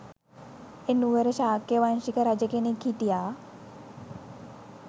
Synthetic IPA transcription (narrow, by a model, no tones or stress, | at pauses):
enuʋəɾəʃaːkjəʋanʃikəɾad͡ʒəkenekʰːiʈijaː